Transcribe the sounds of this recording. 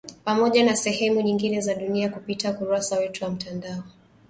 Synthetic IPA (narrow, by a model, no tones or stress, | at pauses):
pamɔʄanasɛhɛmuɲiŋɡinɛzaɗuniakupitakuɾasawɛtuwam̩tandaɔ